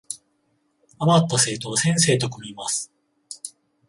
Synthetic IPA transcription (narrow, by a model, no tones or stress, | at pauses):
amat̪ːase̞ːt̪o̞ːsẽ̞ɰ̃se̞ːt̪o̞komʲimasɨ̥